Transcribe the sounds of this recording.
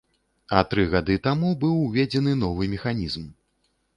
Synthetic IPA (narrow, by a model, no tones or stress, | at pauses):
ɐt̪ɾɨɣad̪ɨt̪amubɨwvʲed͡zʲɛn̪ɨnɔvɨmʲɛxanʲizm